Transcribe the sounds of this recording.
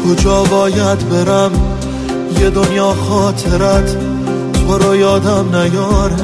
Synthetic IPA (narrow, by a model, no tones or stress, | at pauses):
kʰod͡ʒɒːbɒːjæd̪beɾæm | jed̪onjɒːxɒːt̪ʰeɾæt̪ʰ | boɾɒːjɒːd̪æmnæɡɒːɾe